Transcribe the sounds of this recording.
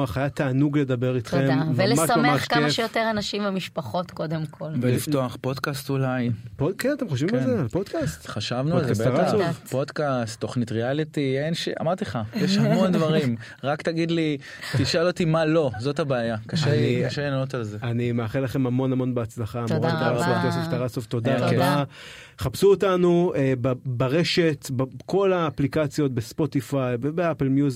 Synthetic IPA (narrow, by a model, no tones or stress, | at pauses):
aχajat̪aːnuɡled̪abe̞ʁit̪χemdavelemaʃammeaχkaemʃejot̪eʁanaʃimvemiʃpaχo̞t̪ko̞d̪emkʰo̞lvelift̪oaχpo̞d̪kast̪ulajpokenat̪emχoʃvimalzealpod̥̪kast̪χaʃavnualzbaʁazopod̪kast̪ːo̞χnit̪ʁealit̪ienʃa̰maʁt̪iχajeʃhamond̪vaʁim | ʁakt̪aɡid̪li | tiʃalot̪imalo̞zo̞t̪abeajakaʃenikaʃenanot̪alzeanimeaχelaχe̞mamo̞namo̞nbeat͡slaχamʁat̪aakesoft̪aʁasoft̪o̞daʁaba | χapsuotanuebabaʁe̞ʃe̞t̪bko̞laːplikat͡sjo̞t̪̚bespo̞tifajbebeapelmjuz